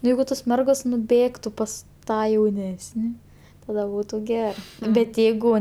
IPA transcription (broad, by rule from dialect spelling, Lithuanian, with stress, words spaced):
ˈjɛɪɡʊ toːs ˈmʲɛrɡoːs nʊˈbʲeːktʊ ˈpɐs ˈtɑː jɛʊˈnʲæːsʲnʲɪ ˈtɑːdɐ ˈbuːtʊ ˈɡʲæːrɜ bʲɛt ˈjɛɪɡʊ